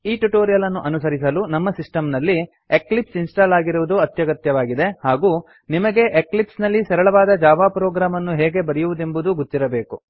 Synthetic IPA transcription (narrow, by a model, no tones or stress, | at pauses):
iːʈuʈoːɾijɐlɐnːuʔɐnusɐɾis̬ɐlunɐmːɐsisʈɐmnɐlːi | eklipsinsʈaːlaːɡiɾuʋud̪uɐt̪jɐɡɐt̪jɐʋaːɡid̪e̞haːɡuː | nimɐɡe̞ʔeklipsnɐlːisɐɾɐɭɐʋaːd̪ɐd͡ʒaːʋaːpɾoːɡɾaːmɐnːuɦɛːɡe̞bɐɾɐjuʋud̪e̞mbud̪uɡut̪ːiɾɐbe̞ːku